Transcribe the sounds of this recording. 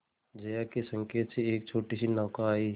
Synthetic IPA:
d͡ʒɐjakesə̃ŋkeːt̪seeːk̚t͡ʃʰoːʈisinaːkaːi

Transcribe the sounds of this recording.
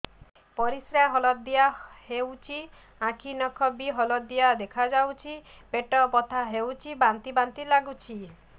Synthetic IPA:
pɔɾisɾaaɦɔlɔd̪ijahewt͡ʃʰi | ãkʰinɔkʰɔbiɦɔlɔd̪ijad̪ekʰad͡ʒawt͡ʃʰipeʈɔpɔt̪ʰaɦewt͡ʃʰibant̪ibant̪ilaɡut͡ʃʰi

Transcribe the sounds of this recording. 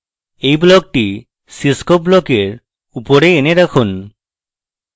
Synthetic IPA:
ejblɔk̚ʈi | siskob̚blɔkeɾ | upoɾeːneɾakʰun

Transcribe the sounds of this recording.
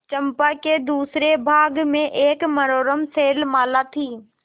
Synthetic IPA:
t͡ʃəmpaked̪uːsɾebʱaːɡmẽʔeːkməɾoːɾəmseːlmaːlat̪ʰiː

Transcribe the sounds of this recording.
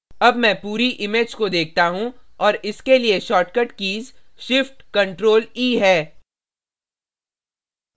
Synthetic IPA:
ɐbmɛ̃puːɾiʔɪmeːd͡ʒkod̪eːk̚ʰt̪aɦũɔːɾɪskelieʃɔːʈkəʈkiːzʃɪfʈkɐ̃ɳʈɾoːliːɦɛː

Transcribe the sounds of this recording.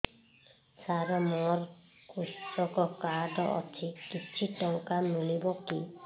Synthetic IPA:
saɾɔmɔɾ | kustɔkɔkaɖɔʔɔ̰t͡ʃʰikit͡ʃʰiʈɔŋkamulibɔki

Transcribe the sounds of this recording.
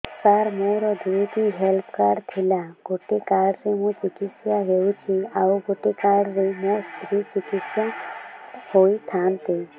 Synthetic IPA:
saɾmõɾɔd̪ʱit̪iɦelpkaɽt̪ʰilaɡ̥oʈekaɽɾemũt͡ʃikisjaɦewt͡ʃʰiawɡoʈekaɽɾemost̪ɾit͡ʃikit̪sja | hoit̪ʰant̪e

